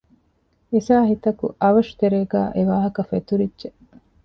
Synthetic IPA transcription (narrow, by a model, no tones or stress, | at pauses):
esaːɦit̪ɐkṵʔɐʋɐʂu̥t̪eɾeːɡæ̰ːʔeʋaːɦɐkɐfet̪uɾidʒe